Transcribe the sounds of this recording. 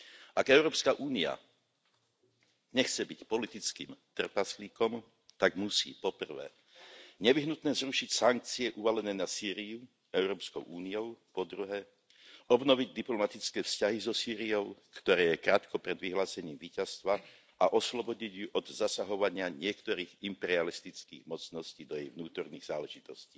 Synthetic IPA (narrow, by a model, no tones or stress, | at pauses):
ʔaɡɛʊɾɔːpskaʔuːnia̰ | ɲɛxt͡sɛbicpɔlit̪it͡skḭːmt̪r̩pasliːkɔm | t̪aɡmusḭːpɔpr̩ʋɛ̰ː | ɲɛʋiɦnut̪nɛːzɾuʃicsaŋk̚t͡siɛʔuʋalɛnɛːnasiːɾiju | ɛʊɾɔːpskɔʊʔuːniɔʊpɔd̪ɾuɦɛː | ɔbnɔʋiɟd̪iplɔmat̪it͡skɛːfscaɦizɔsiːɾiɔʊkt̪ɔɾɛːjɛkɾaːt̪kɔpɾɛd̪ʋiɦlaːsɛɲiːmʋiːcast̪ʋa | ʔaʔɔslɔbɔɟiɟjuʔɔd̪zasaɦɔʋaɲɪaɲɪɛkt̪ɔɾiːɣimpɛɾialist̪it͡skḭːɣmɔt͡snɔsciːd̪ɔjɛjʋnuːt̪ɔɾniːɣz̥aːlɛʒit̪ɔsciː